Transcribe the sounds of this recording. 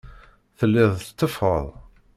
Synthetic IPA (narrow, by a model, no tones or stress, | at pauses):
θəlːɪðˤt̪ːəfə̰ðˤ